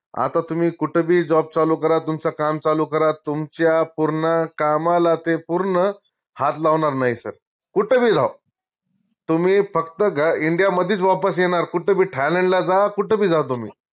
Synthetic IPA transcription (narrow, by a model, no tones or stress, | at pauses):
a̰t̪at̪um̤iːkuʈʰebʱiːd͡zɔb̚t͡salukəɾat̪umt͡sakamt͡salukəɾat̪umt͡ɕjapuɾɳakamalat̪epuɾɳə | hat̪laʋɳaɾnaɦisə̰ɾ | kuʈʰəbʱiːd͡zʱaw | t̪um̤iːfəkt̪əɡʱaiɳɖijaməd̪ʱiːt͡sʋapəsjeɽ̃aɾkuʈʰebʱiːʈʰɛleɳʈlad͡zakuʈʰəbʱiːd͡zʱat̪̬um̤ḭː